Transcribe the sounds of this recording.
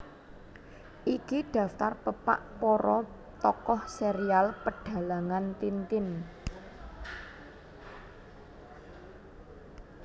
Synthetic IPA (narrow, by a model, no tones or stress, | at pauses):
ʔikiɖ̥ä̤ft̪arpəpa̰ʔpɔɾɔ | t̪ɔkɔhseɾialpəɖ̥a̤laŋant̪int̪ɪn